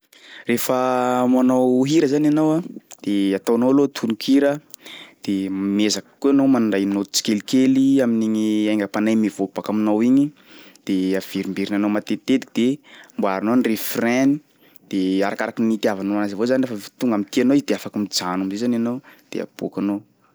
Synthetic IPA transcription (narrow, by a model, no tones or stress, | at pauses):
refəmanawɦiɾəzananawad̪̥eat̪awanowlot̪ʰunikiɾəd̪̥emezakə̥kuanomanɳɖ͡ʐajnot̪u̥t͡si̥kelikeliaminiŋiajŋɡapanajmivopakaminawiɲi | d̪̥eav̥iɾimbiɾinanowmat̪et̪ed̪i̥kid̪̥emboaɾanonirefrɛni | d̪̥eaɾakaɾakinit̪iavanoanazivozanirefət̪uŋɡamit̪ianoizd̪eafakamid͡zanamizezananawd̪̥ḛa̰b̥ukano